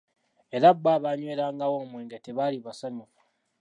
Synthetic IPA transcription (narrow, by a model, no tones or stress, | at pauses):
eɾabːaːβaɲweːɾaːŋɡawomweːŋɡeteβaliβasaɲuku